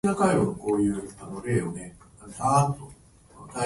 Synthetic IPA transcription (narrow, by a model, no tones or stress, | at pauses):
nakaiβonoko̞ːjɯ̟ːanoɾe̞ːjoneasaːt̪ːo | d̪a